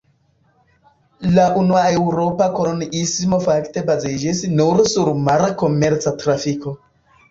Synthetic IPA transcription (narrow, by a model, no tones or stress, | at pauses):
laʔunuaewɾopakononismofakte̞bazid͡ʒisnuɾsuɾmaɾako̞meɾt͡satɾafiko̞